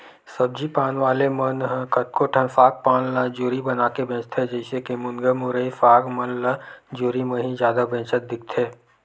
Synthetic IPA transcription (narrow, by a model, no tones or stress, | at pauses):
sɐb̚d͡ʒipaːnʋaːlemənɦkɐt̪̚koʈʰənfaːk̚paːnləd͡ʒuːɾibɐnaːkebẽːt͡ʃt̪ʰɛd͡ʒɛːɪsekemʊnɡəmʊɾəifaːɡmənləd͡ʒoːɾimẽɦĩzjaːd̪abʱɛ̃ːt͡ʃət̪̚d̪ɪk̚t̪ʰeː